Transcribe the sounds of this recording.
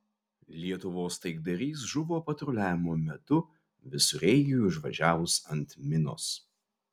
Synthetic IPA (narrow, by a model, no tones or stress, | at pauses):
lʲiɛt̪ʊʋoːst̪ɐɪɡ̚d̪ɐɾʲiːs̬ʒʊʋoːpɐt̪ɾʊlʲæːʋʲɪmoːmʲɛt̪ʊ | ʋʲɪsʊɾʲɛɪɡʲɪjʊɪʒʋɐʒʲæːʋʊsɐnt̪mʲɪno̰ːs